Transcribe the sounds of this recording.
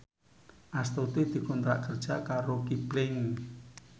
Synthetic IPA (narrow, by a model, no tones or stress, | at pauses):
ʔast̪ot̪id̪̥i̤kɔnt̪ɾa̰ʔkərd̥ʒ̥a̤kaɾokiblɪŋ